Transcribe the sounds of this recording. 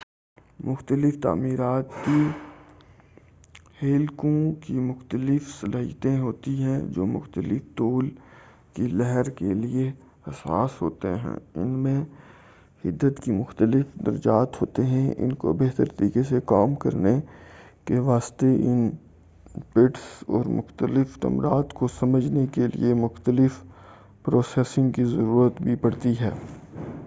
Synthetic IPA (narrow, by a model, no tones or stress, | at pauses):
mʊxt̪əlɪft̪a̰ːmiːɾaːt̪ki | heːlkõkimʊxt̪əlɪfsɐlʔaːɦijt̪ẽɦoːt̪iɦɛ̃d͡ʒo̰ːmʊ̰xt̪əlɪft̪oːl | kilɛɦəɾkelie | hɐsa̰ːsɦoːt̪eɦɛ̰̃ːɪ̰nmẽ | hɪd̪ːət̪kimʊxt̪əlɪfd̪ɐ̰ɾd͡ʒaːt̪ɦoːt̪eɦɛ̃ʔɪ̰nko̰beɦt̪əɾt̪ɐɾiːkesekaːmkɐɾne | keʋaːst̪eʔɪn | pɪʈsɔ̰ːɾmʊ̰xt̪əlɪfʈ̪ɐ̰mɾaːt̪kosɐməd͡ʒnekelḭemʊxt̪əlɪf | pɾoːsɛːsɪ̃ŋɡkizɐɾuːɾət̪bʱipɐɽt̪iɦɛː